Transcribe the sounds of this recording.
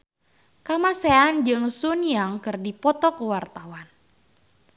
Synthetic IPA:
kamaseand͡ʒɨŋsunjaŋkɨrdipɔt̪ɔkəwart̪awan

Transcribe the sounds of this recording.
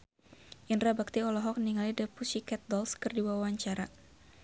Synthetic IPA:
ʔinrabak̚t̪iɔlɔɦɔk̚niŋalidəpusikɛt̪̚dɔlskɨrdiwawaɲt͡ʃaɾa

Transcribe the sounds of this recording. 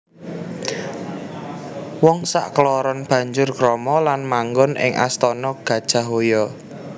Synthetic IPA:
wɔŋsa̰ʔklɔɾɔnb̥ä̤ɲd͡ʒʊrkɾɔmɔlanmaŋɡʊnʔɪ̰ŋʔa̰st̪ɔnɔɡ̥ä̤d̥ʒ̥a̤ɦojɔ

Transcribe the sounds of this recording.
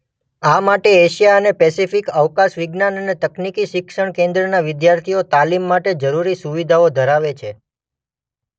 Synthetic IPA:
amaʈeeʃijaənepɛsifikəʋkaʃʋɪɡnanənet̪əknikiʃɪkʃəɳ̃kẽnd̪ɾənaʋɪd̪jaɾt̪ʰijot̪alimːaʈed͡ʒəɾuɾisuʋid̪ʱaod̪ʱəɾaʋet͡ʃʰe

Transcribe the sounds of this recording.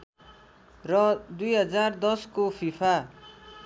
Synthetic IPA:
rʌd̪ujɦʌd͡zard̪ʌskofʰipʰa

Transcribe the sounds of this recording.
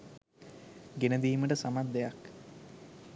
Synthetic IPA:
ɡenəd̪iːməʈəsamad̪ːejak

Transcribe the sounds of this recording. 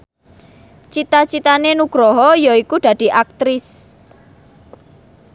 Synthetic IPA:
t͡ʃit̪at͡ʃit̪anenuɡ̥ɾɔɦɔjɔikud̪̥ä̤d̪̥i̤ʔak̚t̪ɾɪs

